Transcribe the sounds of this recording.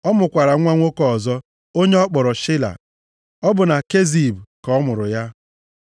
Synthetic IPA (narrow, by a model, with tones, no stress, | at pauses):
ɔ˦mʊ˨kʷa˨ɾa˨ŋʷa˦ŋʷo˦kɔ˦˨zɔ˦ | o˦ɲe˦ɔ˦k͡pɔ˨ɾɔ˨ʃɪ˦la̰˨ | ɔ˦bʊ˨na˨ke˦zi˨bkɔ˨˦mʊ˨ɾʊ˨ja˦